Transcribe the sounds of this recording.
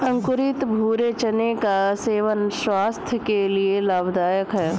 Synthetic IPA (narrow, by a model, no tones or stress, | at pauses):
ɐ̃ŋkʊɾɪt̪bʱuːɾet͡ʃənekaseːʋənswaːst̪ʰjəkelielaːbd̪aːjəkɦɛː